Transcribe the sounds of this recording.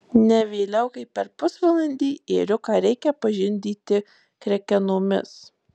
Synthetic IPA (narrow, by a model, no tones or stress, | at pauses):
nʲɛʋʲeːlʲɛʊkɐɪpʲɛɾpʊsʋɐlˠɐnʲd̪ʲiːeːɾʲʊkɑːɾʲɛɪkʲɛpɐʒʲɪnʲd̪ʲiːt̪ʲɪ | kɾʲɛkʲɛnoːmʲɪ̰s